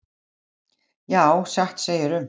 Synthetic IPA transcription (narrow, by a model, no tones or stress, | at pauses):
jaːwsaxt̪seːjɪɾʏm